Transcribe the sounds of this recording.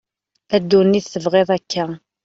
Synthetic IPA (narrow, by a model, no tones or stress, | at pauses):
æd̪ːunːiθθəvʁeðˤækʰːæ